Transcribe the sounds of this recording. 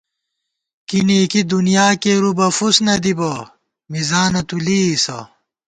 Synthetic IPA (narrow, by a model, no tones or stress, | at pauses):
kinikid̪unijaːkeɾubɐfusnɐd̪ibɐ | mizaːnɐt̪uliːsɐ̰